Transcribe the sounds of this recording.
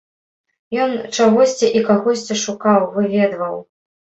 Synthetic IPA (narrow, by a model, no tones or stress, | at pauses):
jɔnt͡ʂaɣɔsʲt͡sʲiʔikaɣɔsʲt͡sʲiʂukawvɨvʲɛd̪vɐw